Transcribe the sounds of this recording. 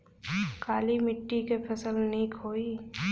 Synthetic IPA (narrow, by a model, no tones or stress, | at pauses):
kaːlimɪʈːikepʰəsəlniːkʰɦoːi